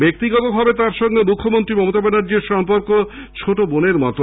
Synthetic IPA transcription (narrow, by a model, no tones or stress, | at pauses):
bek̚t̪iɡɔt̪obʱɔbet̪aɾʃɔŋɡemukʰːomont̪ɾimɔmot̪abɛnaɾd͡ʑeɾʃɔmpoɾko | t͡ɕʰoʈoboneɾmɔ̰t̪o